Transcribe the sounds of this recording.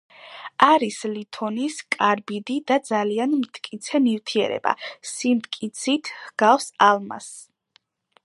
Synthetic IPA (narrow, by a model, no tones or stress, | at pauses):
aɾislit̪ʰɔniskʼaɾbid̪id̪ad̪zalianmt̪ʼkʼit̪sʰɛmift̪ʰiɛ̰ɾɛ̰ba̰simt̪ʼkʼit̪sʰit̪ʰhɡ̥afsalˠma̰s